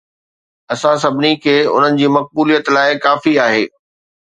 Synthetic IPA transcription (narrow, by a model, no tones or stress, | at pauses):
ɐsãsɐbʱɪnikʰeːʊ̰n̤ənɪ̆d͡ʑiːmɐk̚buːlijət̪laːɪkaːfiaːɦeː